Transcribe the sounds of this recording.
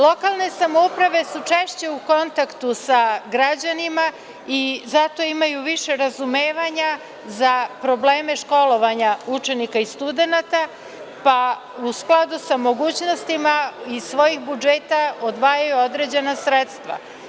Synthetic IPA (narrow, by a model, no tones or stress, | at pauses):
lˠo̞kalˠne̞samoupɾaʋe̞sut͡ʃeʃt͡ɕe̞uko̞nt̪akt̪usaɡɾad͡ʑanima | izat̪o̞imajuʋiʃe̞ɾazumeːʋaɲa | zapɾo̞ble̞ːme̞ʃko̞lo̞ʋaɲaut͡ʃe̞nikaist̪ud̪e̞nat̪a | pa | usklˠad̪usamo̞ɡuːt͡ɕno̞st̪imaisʋo̞jixbud͡ʒeːt̪aod̪ʋaːjajuo̞d̪ɾe̞d͡ʑe̞nasɾet̪st̪ʋa̰